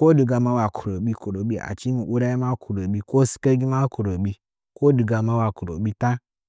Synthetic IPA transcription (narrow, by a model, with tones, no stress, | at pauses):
ko˦du˨ɡa˨ma˦wa˨kʰu˨ɾo˨bi˦ko˨ɾo˨bi˦a̰˨t͡ʃi˦nu˨ʔu˦ɾa˦ji˦ma˦ku˨ɾo˨bi˦ko˦si̥˦ke˦ɡi˦ma˦ku˨ɾo˨bi˦ | ko˦du˨ɡa˨ma˦wa˨ku˨ɾo˨bi˦ta˦